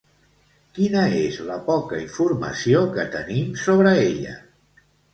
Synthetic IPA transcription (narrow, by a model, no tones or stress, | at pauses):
kinəezləpɔkəiɱfuɾmə̰siokət̪ənimsoβ̞ɾəeʎə̰